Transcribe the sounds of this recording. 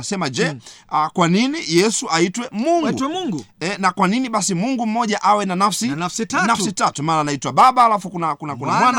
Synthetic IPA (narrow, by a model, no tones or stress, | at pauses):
asɛmad͡ʒɛakwaninijɛsuʔaitwɛmuŋɡɡuŋɡuɛnakwaniniɓasimuŋɡum̩mɔʄaʔawɛnanafsinasnasitatumaːnanaitwaɓaɓaːlafukunakunakunamwana